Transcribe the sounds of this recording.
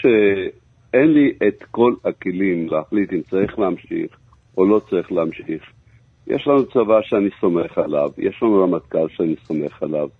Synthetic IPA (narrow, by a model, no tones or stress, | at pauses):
ʃe | enliʔet̪ko̞lakelimleaχlit̪imt͡saʁiχleamʃḭχ | ʔolo̞t͡saʁiχleamʃiχ | jḛʃlanut͡savaʃeaniso̞me̞χala̰vjḛʃlanulamat̪kalʃeaniso̞me̞χalav